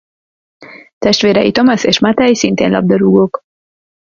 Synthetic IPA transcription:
t̪ɛʃt̪ʋeːɾɛjit̪omaseːʃmat̪ɛjisint̪ḛːnlɒ̰b̚d̪ɒɾuɡok

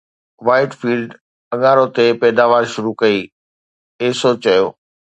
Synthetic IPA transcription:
ʋaːɪʈfiːlɖ | ɐ̃ɠaːɾot̪epɛːd̪aːʋaːɾʃʊɾukɐiː | eːsoːt͡ɕɐjoː

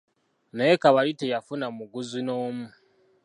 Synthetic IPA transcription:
neekaβaɾitejafunamuɡuzinoːmu

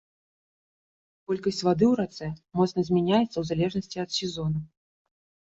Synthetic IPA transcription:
kɔlʲkɐsʲt͡sʲvad̪ɨwɾat̪sɛmɔt̪snɐzʲmʲɛnʲajɛt̪sːɐwzalʲɛʐnɐsʲt͡sʲiɐt̪sʲɛzɔnɐ

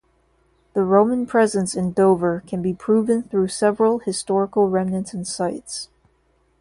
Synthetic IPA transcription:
ðəɹõʊ̃mə̃npʰɹ̥ɛzɨ̃nsɨ̃ndoʊvə˞kʰɨ̃nbipʰɹ̥uvɨ̃nθɹʉsɛvɹəl̩ˠhɨstɔɹəkl̩ˠɹɛ̃mnɨ̃nsn̩saɪts

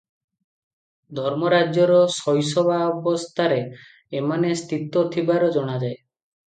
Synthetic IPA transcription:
d̪ʱɔɾmɔɾad͡ʒjɔɾɔsɔjsɔbʱabɔst̪ʰaɾeː | manest̪ʰit̪ɔt̪ʰibaɾɔd͡ʒɔɽ̃ad͡ʒae

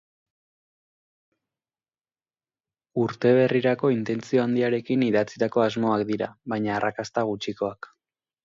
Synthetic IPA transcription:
uɾt̪e̞β̞e̞riɾako̞int̪e̞nt͡sio̞and̪iaɾe̞kiniðat͡sit̪ako̞azmo̞akd̪iɾaβajɲaːrakast̪aɣ̞ut͡ʃiko̞ak

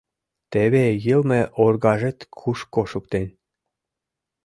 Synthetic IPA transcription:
t̪eβejəlmeʔorɣɑʒĕt̪kʰuʃkoʃuk̚t̪enʲ

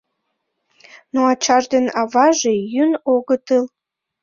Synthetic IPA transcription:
noɑt͡ɕɑʒd̪enɑβɑʒejynoɣət̪əl

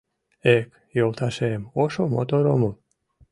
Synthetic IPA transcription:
ek | jolˠt̪ɑʃemoʃomo̰t̪oɾomom

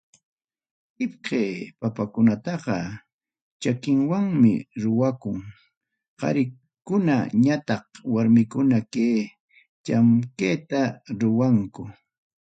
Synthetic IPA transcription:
hɪp̚qeːpapakʊnat̪ɑqɑ | t͡ʃakɪŋwaŋmɪ̰ɾʊwakʊŋ | qɑ̰ɾɪ | kʊna̰ɲat̪ɑqwaɾmɪkʊnakeː | t͡ʃamkeːt̪aɾʊwaŋkʊ

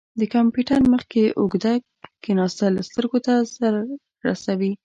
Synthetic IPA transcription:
d̪əkampiʈanməxkeʔoɡd̪ak | kenɑst̪alast̪əɾɡot̪azaɾ | ɾa̰sawi

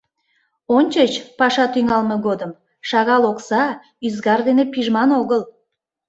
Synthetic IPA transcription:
onʲt͡ɕət͡ɕpɑʃɑt̪yŋɑlməɣod̪əm | ʃɑɣɑloksɑ | yzɣɑrd̪enepiʒmɑnoɣəl

